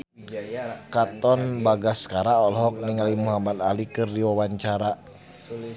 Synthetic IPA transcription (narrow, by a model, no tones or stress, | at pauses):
kat̪ɔnbaɡaskaɾaɔlɦɔk̚niŋalimuɦamat̪alikɨrdiwawaɲt͡ʃaɾa